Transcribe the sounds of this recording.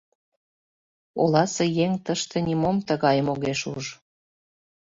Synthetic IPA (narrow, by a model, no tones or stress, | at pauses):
olɑsejeŋt̪əʃt̪ĕnʲimomt̪əɣɑjmoɣeʃuʒ